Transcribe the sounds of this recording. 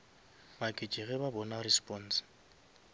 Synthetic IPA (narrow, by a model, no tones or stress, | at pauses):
makʼɪt͡ʃʼɪɣɛbabɔnarispʼɔn̩s